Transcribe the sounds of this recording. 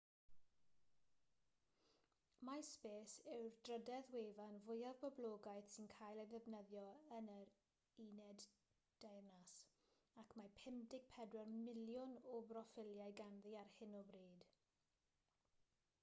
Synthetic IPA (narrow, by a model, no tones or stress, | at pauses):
maspeːsɪwrd̥rədɛðweːvanvʊjaðbɔbloːɡajdsɪnkʰaːjlˠəðɛvnəðjɔənəɾ | inɛd | d̥ajrnas | akʰmapʰɪmdɪɡ̥̚pʰɛdwɛrmɪljʊnɔbrɔfɪlˠjajɡanðiarhɪnɔbriːd̥